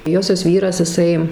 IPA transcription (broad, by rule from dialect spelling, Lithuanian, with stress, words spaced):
ˈjoːsʲoːs ˈʋʲiːrɐs ɪˈsɐɪ